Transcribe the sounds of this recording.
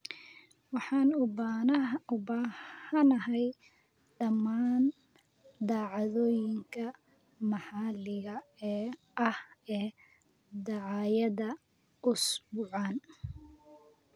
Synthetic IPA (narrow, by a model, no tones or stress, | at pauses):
wɑħɑːn | ʊbaːhɐnɐɦɛj | ɖɐmːaːn | d̪aːʕɑðɔːjɪŋkʰɐ | mɑħɑlɪɣɐɛː | ʔɐhɛː | d̪ɑʕɑːjɐðɐ | ʊsbʊʕɑːn